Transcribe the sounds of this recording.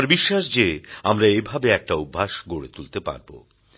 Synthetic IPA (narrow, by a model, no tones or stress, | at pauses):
ɾbiʃːaʃd͡ʑeamɾaebʱabeɛk̚ʈaubʱːaʃɡoɽet̪ult̪epa̰ɾbo̰